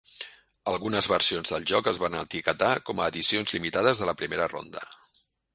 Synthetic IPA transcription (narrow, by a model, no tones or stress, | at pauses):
əlˠɣunəzβəɾsionzðəlˠʒɔkəzβanə̰t̪ikət̪akɔməːðisionzlimit̪aðəzðələpɾimeɾəro̰nd̪ə̰